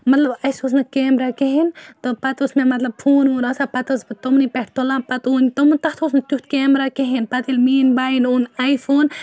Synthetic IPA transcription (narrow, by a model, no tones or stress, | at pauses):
mɐt̪labajsus̬nɐkemɾakeɦint̪opat̪osmemɐt̪lab̚fʰuːnunasapat̪osbt̪omnipehʈt̪olapat̪unit̪omnt̪aht̪osnɐt̪uht̪kemɾakeɦinpat̪ilmiːnbainunajfon